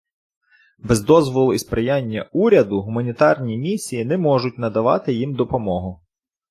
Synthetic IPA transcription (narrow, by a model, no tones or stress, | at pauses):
bɛzd̪ɔzʋɔlˠʊispɾɪjanʲːɐuɾʲɐd̪ʊɦʊmɐnʲit̪ɑrnʲimʲisʲijinɛmɔʒʊt̚ʲnɐd̪ɐʋɑ̰t̪ɪjimd̪ɔpɔmɔɦʊ